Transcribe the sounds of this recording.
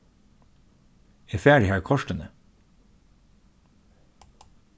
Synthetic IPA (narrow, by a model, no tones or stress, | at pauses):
eːfæːɖɪhæːɹkʰɔʃʈənə